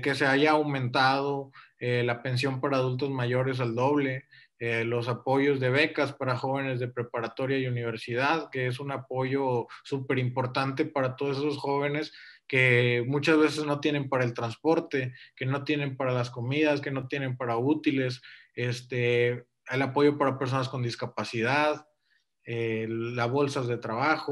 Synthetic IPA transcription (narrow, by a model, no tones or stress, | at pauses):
ke̞se̞aʝaːwmẽ̞nt̪að̞o̞elape̞ns̬jo̞mpaɾaːðult̪̬o̞zmaʝo̞ɾe̞s̬ald̪o̞β̞le̞ | elo̞sapo̞ʝo̞zðe̞β̞e̞kaspaɾaxo̞β̞e̞ne̞zðe̞pɾe̞paɾat̪o̞ɾjajuniβ̞e̞ɾsið̞aðke̞es̬unapo̞ʝo̞supe̞ɾimpo̞ɾt̪ant̪e̞paɾat̪oð̞osesosxo̞β̞e̞ne̞ske̞mut͡ʃazβe̞se̞zno̞t̪je̞ne̞mpaɾae̞lt̪ɾanspo̞ɾt̪e̞ke̞no̞t̪je̞ne̞mpaɾalasko̞miðaske̞no̞t̪je̞ne̞mpaɾaut̪ile̞s | est̪e | elapo̞ʝo̞paɾape̞ɾs̬o̞nasko̞nd̪iskapasið̞að | elazβo̞lsazðe̞t̪ɾaβaxo